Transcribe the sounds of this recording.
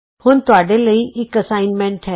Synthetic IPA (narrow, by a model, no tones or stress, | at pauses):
hʊnt̪ʊaːɖeləiʔɪkɐsaːɪnmɛ̃ɳʈɦɛː